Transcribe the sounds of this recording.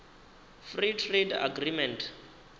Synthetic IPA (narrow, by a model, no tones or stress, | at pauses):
fritʰreda̰ɡrimɛntʰ